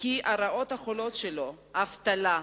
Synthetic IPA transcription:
kiʔaɾaʔo̞t̪haχolo̞tʃelo̞ | haft̪ala

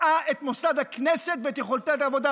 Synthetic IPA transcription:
aʔet̪mosad̪akneset̪vet̪jeχolt̪aet̪avod̪a

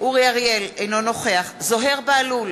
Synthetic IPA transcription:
ʔuʁiaʁjelejno̞no̞χe̞aχzo̞ɦe̞ʁbealul

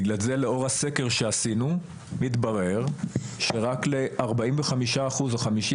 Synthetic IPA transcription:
ɡlalze̞leo̞ʁhaseke̞ʁʃeasinu | mit̪baʁe̞ʁʃe̞ʁakle̞ʔaʁbaiɱveχamiʃaːχuzaχamiʃi

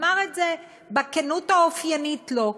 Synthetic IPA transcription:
maʁetze | bakenutaofjanitlo̞

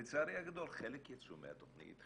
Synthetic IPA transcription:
et͡saːɾiaɡad̪o̞lχelekjat͡sumḛha̰t̪oχnḭt̪

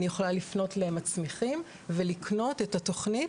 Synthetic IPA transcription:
nijeχolalifno̞tlemat͡smiχim | ve̞likʰno̞te̞tato̞χnit

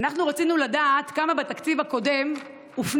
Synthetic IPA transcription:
naχnuʁat͡sinuladaːt̪kamabet̪akt͡sivako̞de̞m | ufn

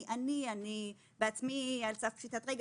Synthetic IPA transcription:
ʔaniani | beat͡smialsafʃit̪at̪ʁiɡ

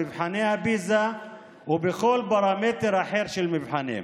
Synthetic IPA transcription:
ɪvħanehabiːza | wɪbɪxoːlbɑɾˤɑmeːt̪ɾhaħeːɾʃɪlmɪvħanḛm

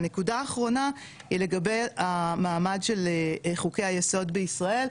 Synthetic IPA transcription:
nekudaːχʁo̞na | hile̞ɡabe̞jamaːmadʃe̞lχuke̞jhajeso̞dbeisʁaʔe̞l

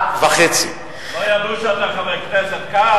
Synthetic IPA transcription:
vaχet͡si | lojad̪uʃeat̪aχavekneset̪ka

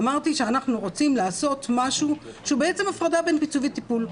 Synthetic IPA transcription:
maʁt̪iʃe̞anaχnuʁo̞t͡simlaːso̞t̪maʃuʃeubeet͡se̞mafʁadabe̞npit͡suvit̪ipul

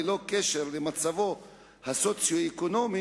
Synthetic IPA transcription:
lo̞keʃe̞ʁlemat͡savo̞ | hasot͡sjoekono̞mi

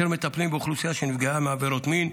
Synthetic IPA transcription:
eɾmet̪aplimbeuχlusijaʃenifɡaameaveɾot̪min

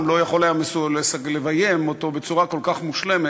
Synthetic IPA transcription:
mlo̞jaχo̞lajamesulesalevajemot̪o̞be̞t͡suʁako̞lkaχmuʃle̞me

